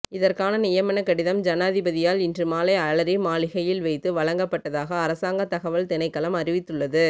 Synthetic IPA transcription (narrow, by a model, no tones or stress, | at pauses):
ɪðɐrkaːnɐnɪjɐmɐnɐkːɐɽɪðɐmd͡ʒɐnaːðɪbɐðɪjaːlɪndrɯmaːlɐɪɐɭɐɾɪmaːlɪɣɐjɪlʋɐɪt̪ːɯʋɐɭɐŋɡɐpːɐʈːɐðaːɣɐːɾɐsaːŋɡɐt̪ɐɣɐʋɐlt̪ɪnɐɪkːɐɭɐmɐrɪʋɪt̪ːɯɭːɐðɯ